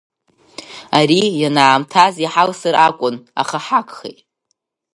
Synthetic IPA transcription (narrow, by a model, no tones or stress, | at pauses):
aɾijanaːmtʰaziħalsɨɾʔakʷʼʊna̰χaħakʼχḛjtʼ